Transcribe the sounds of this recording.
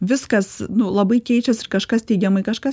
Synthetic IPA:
ʋʲɪskɐsnʊlˠɐbɐɪkʲɛɪt͡ʃʲɛsɪrkɐʃkɐstʲɛɪɡʲɛmɐɪkɐʃkɐs

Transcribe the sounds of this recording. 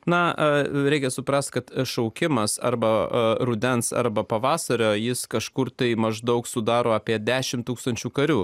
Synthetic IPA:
nɐɾʲɛɪkʲɛsʊpɾɐst̪̚kɐt̪ʃɐʊkʲɪmɐsɐ̰ɾbɐɾʊd̪ʲɛnsɐ̰ɾbɐpɐʋɑːsɐɾʲoːjɪskɐʃkʊrt̪ɐɪmɐʒd̪ɐʊksʊd̪ɑːɾoːɑːpʲiɛd̪ʲæːʃʲɪmt̪uːkst̪ɐnʲt͡ʃʲuːkɐɾʲuː

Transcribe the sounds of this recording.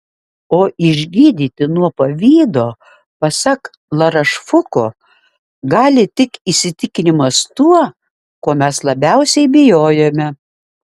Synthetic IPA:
oːʔɪʒʲɡʲiːd̪ʲiːt̪ʲɪnuɔpɐʋʲiːd̪oː | pɐsɑk | lˠɐɾɐʃfʊkoː | ɡɑːlʲɪt̪ʲɪkisʲɪt̪ʲɪkʲɪnʲɪmɐst̪uɔ | koːmʲɛslˠɐbʲɛʊsʲɛɪbʲɪjoːjoːmʲɛ

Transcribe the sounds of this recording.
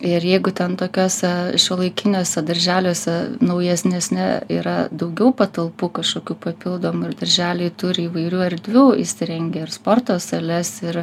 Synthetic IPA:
ɪrjɛɪɡʊt̪ʲɛnt̪oːkʲoːsʲɛʃʲoːlˠɐɪkʲɪnʲoːsʲɛd̪ɐɾʲʒʲæːlʲoːsʲɛnɐʊjɛsʲnʲɛsʲnʲɛiːɾɐd̪ɐʊɡʲɛʊpɐt̪ɐlˠpuːkɐʃkoːkʲuːpɐpʲɪlˠd̪oːmʊɪrd̪ɐɾʲʒʲæːlʲeːt̪ʊɾʲɪiːʋɐɪɾʲuːɐɾʲd̪ʲʋʲuːɪʃʲsʲɪɾʲɛŋʲɡʲɛːɪrspoːrt̪oːsɐlʲɛsɪr

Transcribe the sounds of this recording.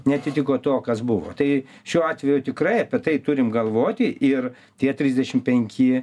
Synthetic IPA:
nʲɛɐt̪ʲɪt̪ʲɪkoːt̪oːkɐsbʊʋo̰ːt̪ɐɪ | ʃʲuːɑːt̪ʲʋʲɛjʊt̪ʲɪkrɐɪɐpʲɛt̪ɐɪt̪ʊɾʲɪmɡɐlˠʋoːt̪ʲɪʔɪr | t̪ʲiɛt̪ʲɾʲizʲd̪ʲɛʃʲɪmpʲɛŋʲkʲɪ

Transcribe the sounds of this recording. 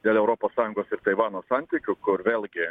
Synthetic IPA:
d̪ʲeːlʲˠɛʊɾoːpoːsːɑːjʊ̃ŋɡoːsɪɾt̪ɐɪʋɑːnoːsɑnʲt̪ʲiːkʲʊkʊɾʋʲeːlʲɡʲɪ

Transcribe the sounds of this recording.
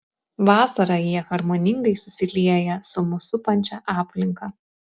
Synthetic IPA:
ʋɑːsɐɾɐjiɛxɐɾmoːnʲɪŋɡɐɪsʊsʲɪlʲiɛjɛsʊmʊsʊpɐnʲt͡ʃʲɛʔɑːpʲlʲɪŋkɐ

